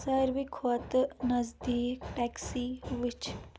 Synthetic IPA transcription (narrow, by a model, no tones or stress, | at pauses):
səɾʋikʰoət̪nəzd̪iːkʈɛːksiːʋɪt͡ʃ